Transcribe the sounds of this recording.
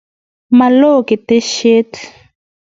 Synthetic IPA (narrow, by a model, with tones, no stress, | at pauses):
ma˨lo˦˨ki˨te˦ʃe˦t